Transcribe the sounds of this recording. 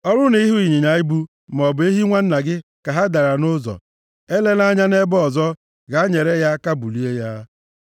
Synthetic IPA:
ɔ˦ɾʊ˦ni˦ɦu˦i˨ɲi˨ɲa˨i˦bu˦ | m˨ɔ˨be˦ɦi˦ŋʷa˦n̩˦na˨ɡɪ˦ka˨ɦa˦da˨ɾa˨nʊ˦zɔ̰˨ | e˦le˦n˦a˦ɲa˦ne˦bɔ˨zɔ˦ | ɡa˨˦ɲe˨ɾe˦ja˦ka˦bu˨li˦e˦ja˦

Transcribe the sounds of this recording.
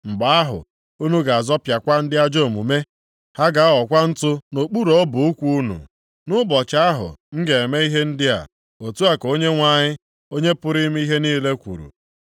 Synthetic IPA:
ŋ͡m̩˨ɡ͡ba˨˦a˦ɦʊ̰˨ | u˦nu˦ɡa˨a˨zɔ˦pja˨kʷa˦n̩˦dɪ˦a˦d͡ʒo˦˨mṵ˨me˦ | ha˦ɡa˨˦ɔ˨kʷa˦n̩˦tʊ˦no˨k͡pu˦ɾo˨˦bʊ˨u˦kʷu˦u˦nṵ˨ | nʊ˦bɔ˨t͡ʃa˦a˦ɦʊ̰˨ŋ̩˦ɡe˨e˨me˦i˦ɦe˦n̩˦dɪ˦a̰˨ | o˨tu˦a˦ko˦ɲe˦ŋʷa˨ɲɪ˦ | o˦ɲe˦pʊ˦ɾi˦m˦i˦ɦe˦niː˦le˦kʷṵ˨ɾṵ˨

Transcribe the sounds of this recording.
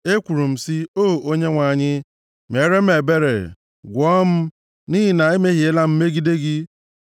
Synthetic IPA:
e˦kʷu˨ɾu˨m̩˨si˦o˦˨ʔo˦ɲe˦ŋʷa˨ɲɪ˦ | me˨ɾe˦m̩˦e˨be˦ɾḛ˨ | ɡʷɔ˦m̩˦ | ni˦ɦi˦na˨e˦me˦ɦi˨e˦la˦m̩˦me˦ɡi˦de˦ɡɪ˦

